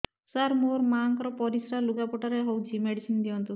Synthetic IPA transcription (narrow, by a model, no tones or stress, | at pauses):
saɾmoɾmaŋkɾɔpɔɾisɾaluɡapɔʈaɾeɦɔwt͡ʃʰimeɽisind̪iɔnt̪u